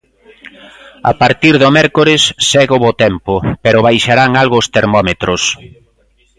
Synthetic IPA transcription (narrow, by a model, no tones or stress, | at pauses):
a̰paɾt̪iɾðʊmɛɾkoɾɪsːɛɣʊβot̪ɛmpʊpeɾʊβajʃaɾaŋalɣost̪eɾmɔmet̪ɾʊs